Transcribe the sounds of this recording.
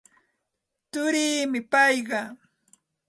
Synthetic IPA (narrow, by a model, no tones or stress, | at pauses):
t̪ʊɾiːmɪpɑjɢɑ